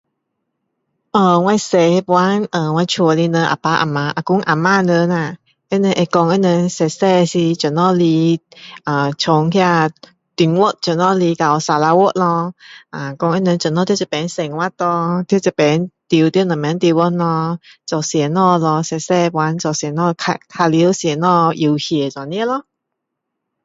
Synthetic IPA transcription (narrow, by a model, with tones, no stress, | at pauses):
ʔə˧˩wa˧jse˧pwa˧˦nʔə˨˩wa˧t͡ʃʰu˧əli˧nə˧ʔa̰˨pa˧˦ʔa̰˨˩ma˧ʔa˨˩ku˧˦ŋʔa˨maː˧nə˧˦na˨˩ | ʔe˦nə˧ʔe˧kɔ˧ŋʔə˧˦nə˧nsɛ˧sɛ˧si˧t͡ʃə˨nɔ˧li˧ʔə˨˩t͡ʃʰo˨˦ŋkʰi˧a˧ | t̪i˨˧˩ŋwo˦t̚t͡ʃə˨nɔ˧li˧ka˨˧wsa˧la˧wo˦˥t̚lɔ˧ʔa˨˩kɔ˧ŋʔɛ˧˥nə˧nt͡ʃə˨˦nɔ˧t̪ʰi˥˦t͡sɛ˧˩pɛ˨˦nse˨˩ŋwa˦˧˥t̪ɔ˧t̪ʰi˥˦t͡sɛ˨˧˩pɛ˨˦ŋt̪i˧wt̪i˦˥˦nɔ˨˩mɛ˧˦nt̪i˧wɔ˧˥nɔ˧t͡sɔ˨˩sjɛ˨˦nɔ˧lɔ˧sɛ˧˩sɛ˧pwa˨˦nt͡sɔ˨˩sɛ˨˧˦nɔ˧kʰa˧k̪ʰa˧li˧˦ə˦wsjɛ˨˩˦nɔ˧ʔji˧˩whɛ˨˩t͡sa˨˩ni˦lɔ˧